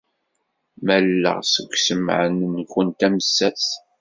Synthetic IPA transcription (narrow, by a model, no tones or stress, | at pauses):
mælːə̰ʁsəɡʷsəm̰ʕənnkːənt̪æməsːæθ